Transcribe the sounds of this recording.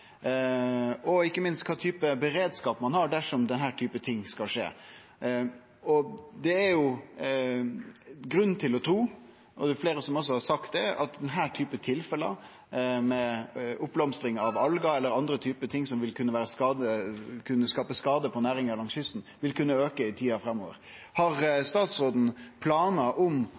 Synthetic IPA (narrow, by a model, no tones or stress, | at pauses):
ɔɪkːəmɪnst̪̚kʰɑːt̪ʰyːpəbəɾeːd̪skɑːpmɑnhɑɖæʂɔmd̪ɛnɦæːʈʰyːpət̪ʰɪŋːskɑlʂḛː | ɔd̪ɛæɾjʊ | ɡɾʉnːt̪ʰɪlɔt̪ʰɾuː | ʔɔd̪ɛfleːɾəsɔmɔsːɔhɑɾʂɑkt̪̚d̪ɛɑ̰t̪̚d̪ɛnɦæːʈʰyːpət̪ʰɪlfɛlə̰ | mɛʊp̚blɑmst̪ɾɪŋɑʋɑlɡɑɛlːəɾɑnd̪ɾət̪ʰyːpət̪ʰɪŋːsɔmʋɪlkʰʉnːəʋæːɾəskɑːd̪əkʰʉnːəskɑːpəskɑːd̪əpʰɔnæːɾɪŋɑʋlɑŋsʏst̪n̩ʋɪlkʰʉnːəøːkəɪt̪ʰiːɑfɾɛmːo̰ːʋə̰ɾ | hɑɾst̪ɑːt̪sɾoːd̪n̩pʰlɑːnɑʔʊm